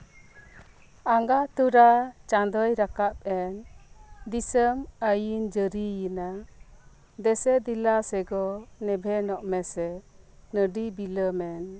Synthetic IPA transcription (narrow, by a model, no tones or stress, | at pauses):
aŋɡat̪uɾat͡ʃand̪ɔjɾakap̚ɛnd̪isəməjind͡ʒəɾijina | d̪ɛsɛd̪ilasɛɡɔnɛbʱɛnɔʔmɛsɛ | nəɖibiləmɛn